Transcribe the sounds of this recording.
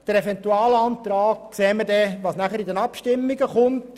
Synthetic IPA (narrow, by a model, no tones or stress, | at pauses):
d̥əɾɛfɛntuɑːlɑnt̪ɾɑːɡkseːməɾdɛʋɑːsnæχəɾidɛnɑpʃtɪmːiɡəχʊnt